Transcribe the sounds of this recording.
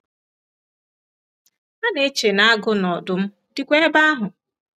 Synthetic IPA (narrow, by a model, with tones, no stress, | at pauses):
a˦ne˦t͡ʃe˨na˦a˦ɡʊ˦nɔ˨dʊ˨m̩˦ | di˦kʷe˦e˦ba˦a˦ɦʊ˨